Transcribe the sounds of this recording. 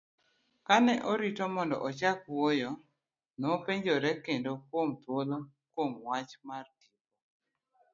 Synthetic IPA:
kanɛʔɔɾitɔmɔndɔʔɔt͡ʃakwojɔ | nopeɲd͡ʒoɾɛkendokwomt̪wolo | kwomwat͡ʃmardiko

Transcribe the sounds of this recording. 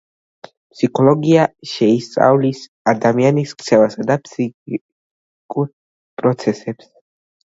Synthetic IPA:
pʰsikʰɔlɔɡiaʃɛist̪sʼa̰vlis | ad̪amianiskt̪sʰɛvasad̪apʰsi | kʼuɾ | pʼɾɔt̪sʰɛsɛps

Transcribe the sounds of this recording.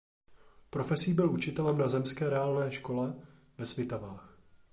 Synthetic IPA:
pɾo̞fɛsiːbɪlʔut͡ʃɪt̪ɛlɛmnazɛmskɛːɾɛaːlnɛːʃko̞lɛ | vɛsvɪt̪avaːx

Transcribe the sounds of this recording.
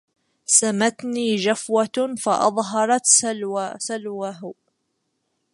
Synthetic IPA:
samat̪niːd͡ʒafwafɑʔɑ̰ðˤɦɑɾˤɑt̪ssalwaɦ

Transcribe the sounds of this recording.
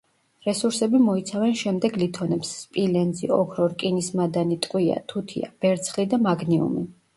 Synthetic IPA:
ɾɛsuɾsɛbimɔit̪sʰavɛnʃɛmd̪ɛɡlit̪ʰɔnɛpsːpʼilɛnd̪ziɔkʰɾɔɾkʼinismad̪anit̪ʼqʼwia̰t̪ʰut̪ʰḭa̰b̥ɛɾt̪sʰχlid̪amaɡniṵmi

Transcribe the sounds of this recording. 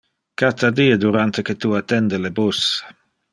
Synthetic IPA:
kat̪ad̪iːed̪uɾant̪eket̪uat̪ːɛnd̪elebus

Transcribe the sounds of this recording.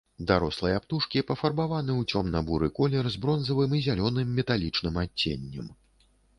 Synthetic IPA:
d̪aɾɔslˠɐjapt̪uʂkʲipɐfɐrbavanɨwt͡sʲɔmnɐbuɾɨkɔlʲɛrzbɾɔnzɐvɨmizʲalʲɔnɨmːʲɛt̪alʲit͡ʂnɨmat͡sʲːḛnʲːɛm

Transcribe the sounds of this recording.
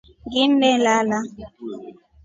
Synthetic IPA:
ɡimbɛlala

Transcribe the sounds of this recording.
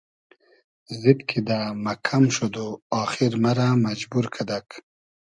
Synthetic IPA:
zid̪kʰid̪amakʰamʃod̪oɑːxiɾmaɾamad͡ʒbuɾkʰad̪ak

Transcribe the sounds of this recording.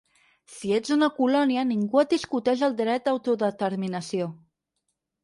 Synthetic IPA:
sied͡zunəkulɔniəniŋɡuət̪̚d̪iskut̪ɛʃ̬əlˠd̪ɾɛt̪̚d̪əwt̪uðət̪əɾminəsio

